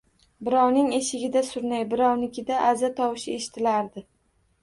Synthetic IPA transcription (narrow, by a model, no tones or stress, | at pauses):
bɪɾɒwnɪŋe̞ʃɪɡʲɪd̪asʊɾnajbɪɾɒwnɪkʲɪd̪aʔazat̪ʰɒwɪʃɪe̞ʃɪ̥t̪ʰɪlaɾd̪ɪ